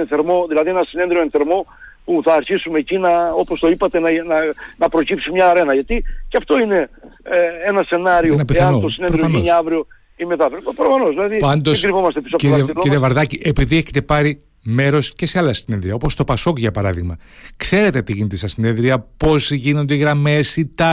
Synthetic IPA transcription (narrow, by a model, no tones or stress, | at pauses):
enθe̞ɾmo̞ðilɐðienɐsine̞nðɾioe̞nθe̞ɾmo̞puθɐːɾçisume̞ːcinɐo̞post̪o̞ipɐt̪e̞nnɐnɐpɾo̞cipsimɲɐːɾe̞nɐʝɐt̪iceɐft̪o̞ine̞ | enɐse̞nɐɾionɐpiθɐɐnot̪osinepɾɾioɐoɲɐvɾio̞ | imet̪ɐvɾtopɾofɐnozðilɐðipɐnd̪oskɾivomɐst̪episoɐfcɾiɐliɾiɐvɐɾðɐciʔepiðieçet̪e̞pɐɾi | me̞ɾo̞sce̞seɐlɐsine̞nðɾiɐo̞po̞st̪o̞pɐso̞kʝɐpɐɾɐðiɣmɐ | kse̞ɾet̪e̞t̪iʝinet̪esɐsine̞nðɾiɐpo̞sʝinond̪eiɣɾɐme̞sit̪ɐ